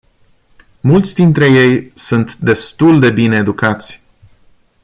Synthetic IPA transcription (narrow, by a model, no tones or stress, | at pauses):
mult̪sʲd̪int̪ɾe̞je̞jsunt̪d̪e̞st̪uld̪e̞bine̞ːd̪ukat̪sʲ